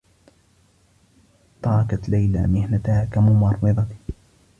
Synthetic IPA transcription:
t̪ˤɑɾˤɑkat̪lajla̰ːmɪhnat̪haːkamʊmɑɾˤːɨðˤɑt̪

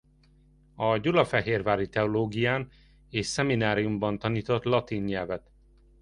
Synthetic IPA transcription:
ɒɟulɒfɛɦeːrvaːɾit̪ɛoloːɡijaːn | eːʃsɛminaːɾijumbɒnt̪ɒniːt̪o̞t̪lɒt̪iːnɲɛlvɛt̪

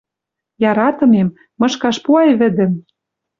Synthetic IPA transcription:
jɑɾɑt̪ɤ̆memː | ɤ̆ʃkɑʃpuɑjβɘ̆d̪ɘ̆m

